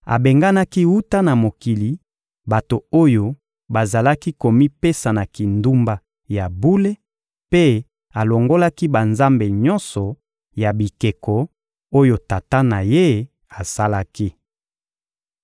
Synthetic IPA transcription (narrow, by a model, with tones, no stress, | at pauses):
a̰˨be˨ŋɡa˦na˦ki˦wu˦ta˦na˨mo˨ki˨li˨ | ba˨to˨o˦jo˦ | ba˨za˨la˦ki˦ko˨mi˦pe˦sa˨na˨ki˨ndu˦mba˦ | ja˨bu˦le˦ | pe˦ | a˨lo˨ŋɡo˦la˦ki˦ba˨nza˦mbe˨ɲɔ˦nsɔ˨ | ja˨bi˨ke˨kɔ˨ | o˦jo˨ta˨ta˦na˨je˦ | a˨sa˦la˦ki˦